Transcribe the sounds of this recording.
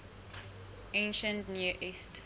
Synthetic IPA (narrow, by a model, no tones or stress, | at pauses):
ẽnʃə̃ntnuʔist